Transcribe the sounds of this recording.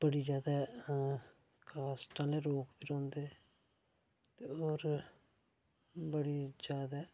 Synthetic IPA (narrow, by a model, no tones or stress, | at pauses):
b̥əɽiːd͡ʒjaːd̪aː | kʰaːsʈãːleːɾoːkbiːɾɔ̃ːnd̪eː | t̪eːoːɾ | bəɽiːzjaːd̪aː